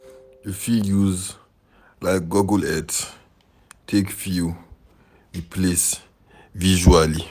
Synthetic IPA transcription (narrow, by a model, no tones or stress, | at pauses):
jəfijuz | laɪk̚ɡɔɡəlɛds | tʰekfiu | wipʰles | viʒuali